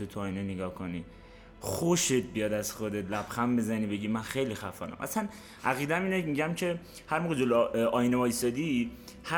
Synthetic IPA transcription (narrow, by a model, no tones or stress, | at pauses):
ot̪ʰuɒːjneneɡɒːhkʰoni | χoʃet̪̚ʰbijɒd̪æz̥xod̪e̞t̪ʰlæbxæmbe̞zænibe̞ɟimænxejlixæfɒːnæ̰mʔæ̰sæn | ʔæɣiːd̪æmiːnemiɟæmcʰe̞ | hæɾmoɣed͡ʒolʔɒːjnemɒist̪ɒːd̪i | hæ